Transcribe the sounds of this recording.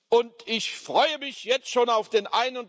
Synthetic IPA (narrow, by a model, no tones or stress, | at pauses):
ʔʊntɪçfʁ̥ɔʏəmɪçjɛt͡stʃoːnaʊfd̥eːnʔaɪnʊnt